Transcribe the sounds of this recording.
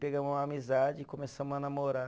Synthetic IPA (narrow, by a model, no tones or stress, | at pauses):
peɡɐ̃mʊzumɐːmizad͡ʒɪːkõmesɐ̃mʊzanamoɾa